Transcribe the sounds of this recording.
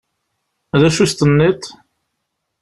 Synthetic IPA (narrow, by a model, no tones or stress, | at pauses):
ðæʃust̪ənːit̪